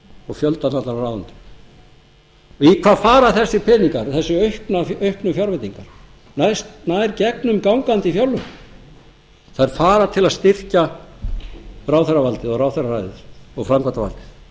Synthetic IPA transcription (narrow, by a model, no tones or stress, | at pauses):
ɔɣfjœlt̪at̪nat̪laɾrawðant̪ʏ̥ | ikʰv̥aːðfaːɾaθɛsːɪ̥pʰɛniŋkaɾθɛsːʏœɥhknaœɥhknʏfjawɾvɛt̪iŋkaɾ̥ | najst̪naːjɾcɛknʏmkawŋkant̪ɪifjawlːʏm | θaðɛɾfaːɾat̪ʰɪlaðst̪ɪr̥ca | raːwθɛɾavalt̪ɪðɔɣrawθɛrarajðɪ̥ɔɣfɾamkvat̪ava̰lt̪ɪ̥θ